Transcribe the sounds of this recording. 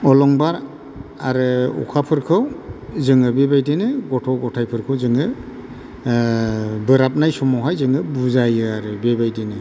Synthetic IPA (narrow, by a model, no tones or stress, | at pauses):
ɔlɔŋbaɾ | aɾɯɔ̰kʰapʰɯɾkʰɯwzɯŋɯbebajdinɯɡɔtʰɔɡɔtʰajpʰɯɾkʰɯwzɯŋɯ | bɯɾap̚najsɔmɔwɦajzɯŋɯbuzajɯaɾɯbebajdinɯ